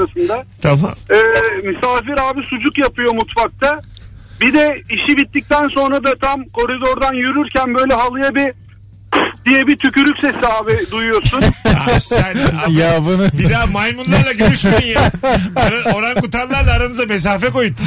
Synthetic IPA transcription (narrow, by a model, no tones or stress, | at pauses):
asɯnd̪at̪ʰama̰mɛːmisaːfiɾhaːbisud͡ʒukjapʰɯjo̞mut̪fak̚t̪ʰa | bid̪ɛiʃibit̪ːic̚t̪ænso̞nɾad̪at̪ʰamkʰo̞ɾid̪o̞ɾd̪anjyɾyɾcʰænbø̞jlʲɛɦalˠɯjabi | d̪̥ijɛbit̪ʰycyɾycʲse̞siaːbɪd̪ujujosuna̰sænajabunbid̪aːmajmunlˠaɾlˠaɟøɾyʃmeinjaoɾao̞ɾankut̪ʰanlˠaɾlˠaːɾanɯzame̞s̬aːfɛko̞jut̪